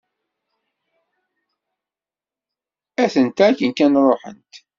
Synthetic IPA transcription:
æθənt̪ækənkænɾˤoħə̰nt̪

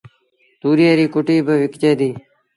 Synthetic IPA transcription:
t̪uːɾjeːɾiːkoʈiːbʱəʋɪkt͡ʃeːd̪iː

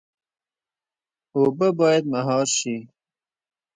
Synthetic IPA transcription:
obabɑːjad̪̚maɦɑːɾʃi

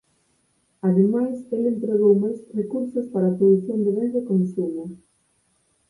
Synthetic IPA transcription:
aðemajselent̪ɾeɣ̞owmajsrekuɾsospaɾaːpɾoðuθjond̪eβend̪ekomisjoma

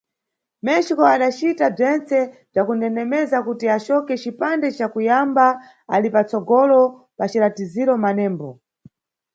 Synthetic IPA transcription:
mɛʃikɔaɗat͡ʃitab͡ʐɛnt͡sɛ | b͡ʐakunɛnɛmɛzakutiat͡ʃɔkɛt͡ʃipandɛt͡ʃakujamba | a̰lipat͡sɔɡɔlɔ | pat͡ʃilatiziɾɔmanɛːmbɔ

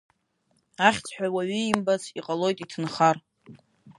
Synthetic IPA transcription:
aχʲt͡sʰʼħᶣʷawaɥʏimbat͡sʰiqʼalo̞jtʼitʰɨnχar

